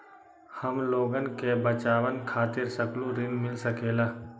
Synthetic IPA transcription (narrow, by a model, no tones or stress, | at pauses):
həmloːɡənkebət͡ʃaːʋənkʰaːt̪ɪɾsəklũɾɪnmɪlsəkeːlaː